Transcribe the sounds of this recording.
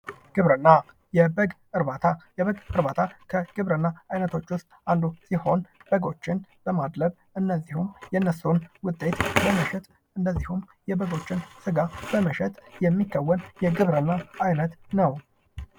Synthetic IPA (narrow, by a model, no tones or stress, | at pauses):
ɡ̥ɨβɾɨnːa | jɛbəɡ | ɨɾbat̪ʰajɛβəɡɨɾbat̪ʰakʰəɡ̥ɨβɾɨnːaajnət̪ʰo̞t͡ʃːwʊst̪ʼand̪usiho̞nb̥əɡo̞t͡ʃːɪnb̥əmad̪ləβ | ɨnːəzːihumjɛnːəsonwʊt̪ʼːe̞t̪bəməʃɛt̪ | ʔɨnd̪əzːihum | jɛbəɡo̞t͡ʃːɪnsɨɡabəməʃɛt̪ʼjɛmːikːəwːənjɛɡɨβɾɨnːaajnət̪nəw